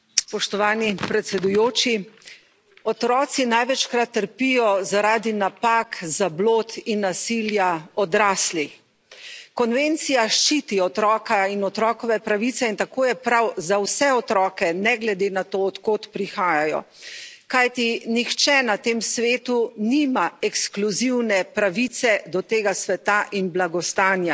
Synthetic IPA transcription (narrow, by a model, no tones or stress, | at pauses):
spɔʃt̪ɔʋaːnipɾɛt̪sɛd̪ujoːt͡ʃi | ɔt̪ɾɔːt̪sinajʋɛt͡ʃkɾat̪ːəɾpijɔzaɾaːd̪inapaːkzabloːt̪inːasiljaɔd̪ɾaːsli | kɔnʋent̪sijaʃt͡ʃit̪iɔt̪ɾɔːkainɔt̪ɾɔːkɔʋɛpɾaʋit̪sɛint̪akoːjɛpɾawzawsɛɔt̪ɾɔːkɛnɛɡlɛd̪enat̪oɔt̪koːt̪pɾixaːjajɔ̰ | kajt̪inixt͡ʃɛnat̪eːmsʋeːt̪unimaɛkskluziwnɛpɾaʋit̪sɛd̪ɔt̪eːɡasʋɛt̪aʔinblaɡɔst̪aːnja